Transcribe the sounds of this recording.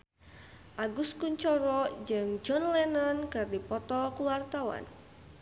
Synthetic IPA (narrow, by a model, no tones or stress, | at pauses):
ʔaɡuskuɲt͡ʃɔɾɔd͡ʒɨŋd͡ʒɔnlɛnankɨrdipɔt̪ɔkuwart̪awa̰n